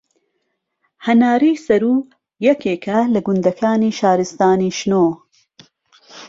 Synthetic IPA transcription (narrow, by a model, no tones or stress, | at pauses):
hɐnaːɾiːsɐɾuː | jɐkeːkʰɐlɐɡʊnd̪ɐkʰaːniːʃaːɾɨst̪aːniːʃnoː